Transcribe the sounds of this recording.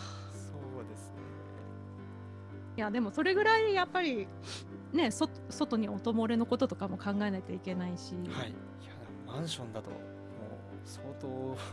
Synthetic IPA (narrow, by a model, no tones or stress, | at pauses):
soːd̪e̞sɨn | jad̪e̞mo̞so̞ɾe̞ɡɯ̟ɾaijapːaɾʲi | ne̞sot̪so̞t̪o̞ɲ̟io̞t̪o̞mo̞ɾeno̞ko̞t̪ot̪o̞kamo̞kãŋɡaenaket̪ʲeaike̞naiɕihaḭ | anamãɰ̃ɕõ̞nd̪at̪o̞̰ | mo̰ː | soːt̪oː